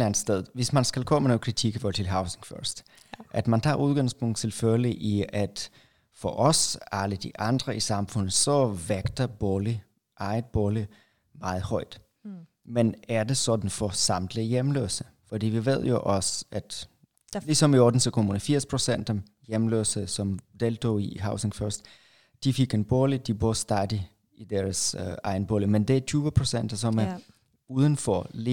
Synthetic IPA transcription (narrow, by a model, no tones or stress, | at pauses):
lænd̥sd̥eð̞ˠʋe̝smænsɡ̥ælkʰɔ̰mənokʰækʰiɡ̥əʋɒt͡sʰe̝lɦɑ̈ʊseŋfɶɐsd̥ | ʔæd̥mænt͡sʰɑ̰̈ːuð̞ˠɡ̥ɑ̈ŋspʰɔŋ̰d̥̩ˠt͡sʰe̝lføliʔiæd̥ | fɒʔɒsɑləd̥iʔɑ̈nd̥ʁɐʔisɑ̈mfɔn̰ð̩ˠsɒ̽ʋeɡ̥d̥ɐb̥ɔli | ʔɑ̈ɪd̥b̥ɔli | mɑ̈ːð̩ˠhɒ̽ɪ̰d̥ | menæɐd̥e̝sɒ̽d̥n̩fɒsɑ̈md̥lijemlø̰ːsə | fɒ̽d̥ḭːʋiʋe̝ð̞̰ˠjo̝ʔɒ̽sæd̥ | lisɒ̽miɒːd̥n̩sɒkʰomuːnəfiɐ̰spʰʁo̝sen̰d̥ɒm | jemlø̰ːsəsɒ̽md̥elt͡sʰo̝̰iɦɑ̈ʊseŋfɶɐsd̥ | d̥ifiɡ̥enb̥oːlid̥ibosd̥æd̥i | id̥æɐsɑ̈ɪnb̥oːlimend̥eæt͡sʰyːʋəpʰʁo̝sen̰d̥ɐs̬ɒ̽mæ | uːð̞ˠənfɒle